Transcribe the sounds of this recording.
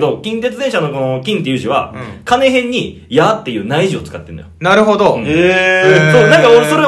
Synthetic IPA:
d̪o̞kʲĩnt̪̬e̞t͡sɨd̪ẽ̞ɕano̞konokʲĩnt̪e̞jɯ̟ːʑiβa̰kane̞ɦẽ̞ɲ̟ːi | jat̪ːe̞jɯ̟ːnaiʑio̞t͡sɨ̥kat̪ːẽ̞no̰jonaɾɯ̟ɦod̪oesoːnãŋkaoɾesoɾe

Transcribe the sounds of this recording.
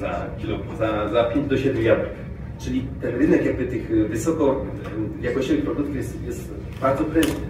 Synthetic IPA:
za̰kʲilu | zazapʲjeɲd͡ʑd̪ɔɕɛd̪mʲujad̪ɛk | t͡ʂɘlʲit̪ɛnɾɘnɛkjaɡ̚bɘt̪ɘxvɘsɔkɔ | jakɔɕt͡ɕevɘxpɾɔd̪ut̪kijɛst̪jɛst̪ | baɾd̪zɔpɾɛnt̪nɘ

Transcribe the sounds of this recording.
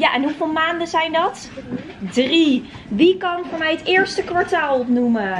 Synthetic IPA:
jaʔɛnɦuvɪːlˠmaːndəzɛjndɑt | dri | ʋikɑnvʊːɹmɛjɦətɪːɹstəkʋɑɹtaːlˠɔpnumə

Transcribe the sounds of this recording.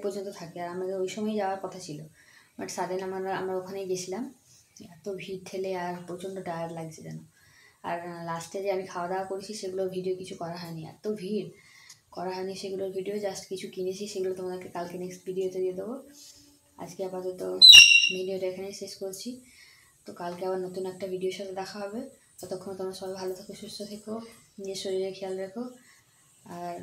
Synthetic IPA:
pɔɾd͡ʑont̪ot̪ʰakeaɾamakeojʃɔmɔed͡ʑaoaɾkɔt̪ʰat͡ɕʰilobaʈsad̪enamaɾa̰mɾaokʰanejɡet͡ɕʰilamɛt̪obʱiɾt̪ʰeleaɾpot͡ɕond̪oɖajaɾlaɡ̚t͡ɕʰed͡ʑɛ̰noa̰ɾlasʈed͡ʑeamikʰaoad̪aoakoɾet͡ɕʰiʃeɡulobʱiɖiokit͡ɕʰukɔɾaɦɔeniɛ̰t̪obʱiɾkɔɾaɦɔeniʃeɡuloɾbʱiɖiod͡ʑasʈkit͡ɕʰukinet͡ɕʰiʃeɡulot̪omad̪eɾkekalkeneksʈbʱiɖiot̪ed̪ied̪ebo | a̰d͡ʑkeapad͡ʑɔt̪omenioɾaekʰanejʃeʃkoɾt͡ɕʰi | t̪okalkeabaɾnot̪unɛk̚ʈabʱiɖioeɾʃat̪ʰed̪ɛkʰaɦɔbe | ɡɔt̪okʰːonot̪omaɾʃɔbebʱalot̪ʰakoʃust̪ot̪ʰekod͡ʑeʃoɾiɾekʰɛjalɾekʰo | aɾ

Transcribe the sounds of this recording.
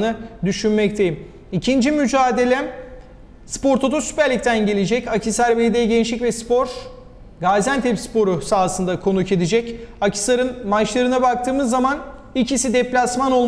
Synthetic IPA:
nɯd̪yʃynmɛct̪ʰe̞jim | icʰind͡ʒimyd͡ʒaːd̪e̞lʲɛ | spo̞ɾt̪ʰot̪ʰusy̥pæɾlʲic̚t̪ʰænɟe̞lʲed͡ʒɛcacʰisæɾbed̪ɛɟenʃicvɛspo̞ɾ | ɡazænt̪ʰɛpspo̞ɾusaːsɯnd̪akʰo̞nucʰe̞d̪id͡ʒɛcacʰi̥sˠaɾɯnmat͡ʃlˠaɾɯnabak̚t̪ʰɯːmɯzːaman | icisid̪ɛplʲasmano̞lˠ

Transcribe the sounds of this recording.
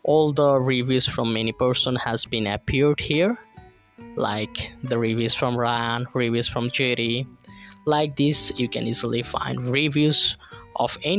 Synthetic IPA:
ʔɔlˠd̪əɹivjuz̥fɾɔ̃mɛnipəɹsə̃nhæzbĩnəpʰiɹɖhiɹ | la̰ɪkd̪əɹivjuz̥fɹɔ̃mɹaɪə̃nɹivjuz̥fɹɔ̃md͡ʒɛɾi | laɪk̚d̪isjukɛ̰̃nizəl̩ifã̰ɪ̃nɖɹivjuzʔɔ̰fɛn

